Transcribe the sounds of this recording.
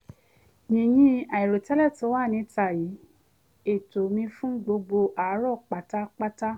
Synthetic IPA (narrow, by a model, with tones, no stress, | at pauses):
ɲĩ˨jĩ˧˦a˨i˨ɾo˨tɛ˨˦lɛ˦˨to˧˦wa˦˨nĩ˨˧˦ta˨ji˨˦ | e˨to˨mĩ˧fũ˦ɡ͡bo˧ɡ͡bo˧ʔa˨˦ɾɔ˦˨k͡pa˨˦ta˦k͡pa˦ta˦